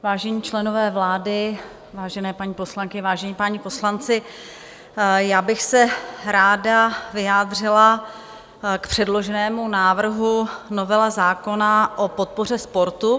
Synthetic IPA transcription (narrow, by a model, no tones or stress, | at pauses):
vaːʒɛɲiːt͡ʃlɛno̞vɛːvlaːdɪ | vaːʒɛnɛːpaɲiːpo̞slaŋkɪvaːʒɛɲiːpaɲipo̞slant͡sɪ | jaːbɪxsɛɾaːdavɪjaːd̪r̝ɪla | kpr̥ɛdlo̞ʒɛnɛːmunaːvr̩ɦuno̞vɛlazaːko̞naʔo̞po̞t̪̚po̞r̝ɛspo̞ɾt̪u